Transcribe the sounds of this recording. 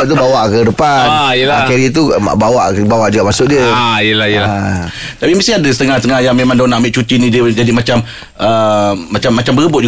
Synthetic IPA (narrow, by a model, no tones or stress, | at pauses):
t̪ubawaʔkədəpanəakɛɾit̪̬ṵbawaʔbawaʔd͡ʒuɡamasʊʔdiəajəlahjəlat̪apimist̪iadəsə̥t̪əŋahst̪əŋahjaŋmemãŋdonaʔmiʔt͡ʃut̪inidəd͡ʒadimat͡ʃam | ʔəːat͡ʃamːat͡ʃambəɾəbʊt̪̚d͡ʒu